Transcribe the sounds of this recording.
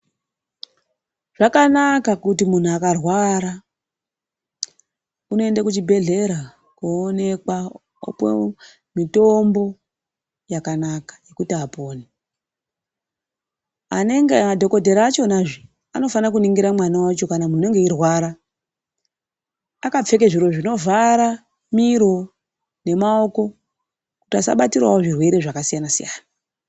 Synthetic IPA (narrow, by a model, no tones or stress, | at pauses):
ʐ̥akanakakut̬imun̤uakarwaɾa | uno̞e̞ndakut͡ʃibʱe̞ɮe̞ɾa | koone̞kwa | o̰pḛ | mito̞mbo̞ | jakanakḁje̞kutiapoːne | a̰ne̞ŋɡemadʱo̞ko̞dʱe̞ɾaːt͡ʃo̞naʐi | a̰no̞fanakuniŋɡiɾamwanawat͡ʃo̞kanamune̞ŋɡe̞irwaɾa | kap͡fe̞keʐiɾo̞ʐino̞vaɾa | miɾo̞ | ne̞mao̞ko̞ | kutiasa̰ɓatirwa̰oʐirwe̞ɾe̞ʐakasijanasijaːna